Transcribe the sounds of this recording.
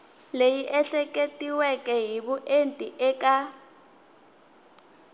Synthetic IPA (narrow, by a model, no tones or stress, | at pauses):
lejiʔɛɬɛk̬ʼetʼiwɛkʼɛɦiɓuʔentʼiʔɛkʼa